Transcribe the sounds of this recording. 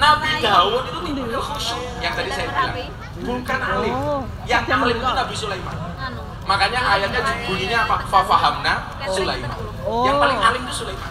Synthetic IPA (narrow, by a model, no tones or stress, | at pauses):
nabid̪awʊt̪it̪umuhɔʃɔ | jaŋt̪adisajabila̰ŋ | bukanʔalɪ | jaŋalɪt̪unabisulaima̰ | makaɲaʔajaɲad͡ʒʊk̚buniɲafafafaɦamna | sulaima̰ | jaŋalɪŋalɪmt̪usulaima